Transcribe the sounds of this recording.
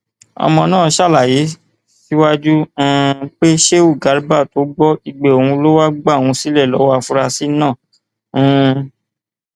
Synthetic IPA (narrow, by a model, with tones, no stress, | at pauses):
ɔ̰˧mɔ̃˧nãː˦˨˧ʃa˦˨la˨ji˨˦ | si˦wa˦d͡ʒũ˦k͡pe˦ʃe˦u˦˨ɡa˨˦ɾba˦˨to˨˦ɡ͡bɔ˦i˧ɡ͡be˨o˨hũ˧lo˦wa˦ɡ͡ba˦˨w̃ũ˧si˦lɛ˦˨lɔ˨˦wa˦˧fu˦ɾa˧si˦nãː˦˨˦